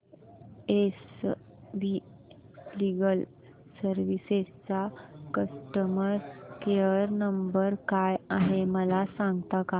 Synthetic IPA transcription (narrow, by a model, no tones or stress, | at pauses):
es | ʋi | liɡəl | səɾʋisest͡sakəsʈəməɾkeəɾnəmbəɾkajaɦeməlasãŋɡt̪aka